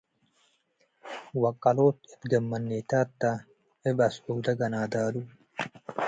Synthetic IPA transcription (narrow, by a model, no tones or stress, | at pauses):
wɐkʼːɐloːt̪ɛt̪ɡɐmːɐnːeːt̪aːt̪ːa | ɛbɐsuɡd̪ɐɡɐnaːd̪aːlu